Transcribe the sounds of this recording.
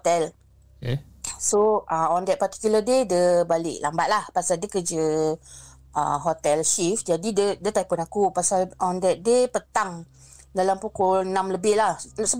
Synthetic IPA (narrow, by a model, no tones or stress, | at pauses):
t̪ɛl | soʔaɔ̃ndɛt̪̚pat̪i̥kjulədedəbalɪʔlambat̪̚lahpasaldəkəd͡ʒə | ʔa̰ɦot̪ɛlʃifd͡ʒadidədət̪ajpunakupasalʔɔ̃ndɛt̪̚depət̪aŋ | dalampukɔlnãmləbɪhlahsə